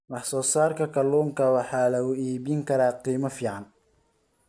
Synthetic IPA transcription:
wɑħsɔːsaːrkʰɐkʰɐluːŋkʰɐwɑħɑːlɐʊiːβɪŋkʰɐɾaːqiːmɐfiːʕɑn

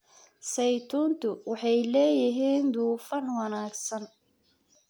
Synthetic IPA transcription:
sɛjt̪ʰuːnt̪ʰʊwɑħɑjlɛːjɪɦiːnd̪uːfɐnwɑnaːɡsɐn

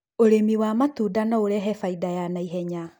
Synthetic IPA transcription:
oɾemiwamatudanɔoɾɛɦɛfaidajanaiɦɛɲa

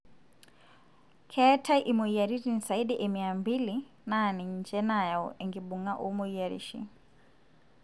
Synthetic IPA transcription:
kʰɛtʰaʔimɔijaɾirinsaiɗɛʔɛmiambili | naniɲd͡ʒɛnajaɔ̰ʔɛŋɡibuŋaʔumɔijaɾḭʃḭ

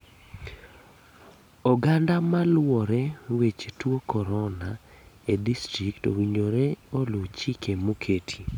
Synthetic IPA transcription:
ɔɡandamalwɔɾewet͡ʃtwokɔɾɔna | edistɾikto̰wiɲoɾeolʊt͡ʃikemokʰetʰi̥

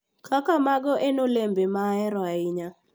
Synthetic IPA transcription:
kʰakamaɡɔʔenolembemaɛɾɔaɪɲa

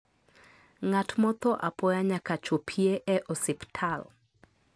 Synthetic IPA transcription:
ŋatmɔt̪ɔʔapɔjaɲakat͡ʃopʰieʔɛʔɔsɪptʰal

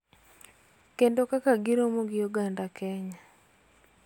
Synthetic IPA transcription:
kendokakaɡɪɾomoɡɪjoɡandakʰɛɲa

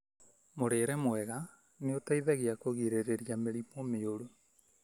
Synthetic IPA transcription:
moɾeːɾɛmoɛɣa | neotaiðɛɣeakoɣiɾeɾeɾjameɾipɔmeoɾo

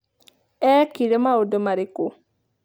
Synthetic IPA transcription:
ɛkiɾemaodomaɾiko

